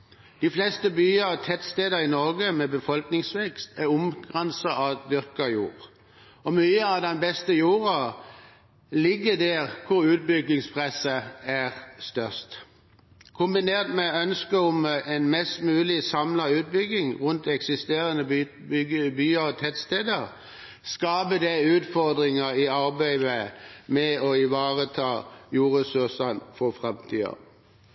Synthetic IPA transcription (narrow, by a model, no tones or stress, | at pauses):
d̪̥iflɛst̪əbyːəɔt̪ʰɛt̪st̪eːd̪əɪnɔɾɡəmɛbəfɔlknɪŋsʋɛkst̪ʰæʁʊmɡʁɛnsəɑd̪ʏʁkəjṵːʁ | ɔmyːəɑʋd̪ɛnbɛst̪əjuːʁɑ | lɪɡːəd̪æːʁkʰʊɾʉːt̪̚bʏɡːɪŋspʰʁɛsəæʁst̪œʁst̪ | kʰʊmbɪneːʁt̪mɛœnskəʊmɛnmɛst̪mʉːlɪsɑmlɑʉːt̪̚bʏɡɪŋʁʊnt̪ɛksɪst̪eːʁənə | byːəɔt̪ʰɛt̪st̪eːd̪əʁ | skɑːbəd̪æʉːt̪fɔʁd̪ʁɪŋəiɑʁbæɪʋəmɛɔɪʋɑːʁət̪ʰɑːjuːʁəsʊʁsənfɔfʁɛmt̪ʰiːɑ̰